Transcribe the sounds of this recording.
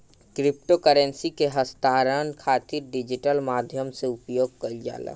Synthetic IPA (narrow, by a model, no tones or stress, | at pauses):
kɾɪp̚ʈokəɾə̃nsikeɦəst̪aːɾənkʰaːt̪ɪɾɖɪd͡ʒɪʈəlmaːd̪ʱjəmseʊpjoːɡ̚kəld͡ʒa̰ːla̰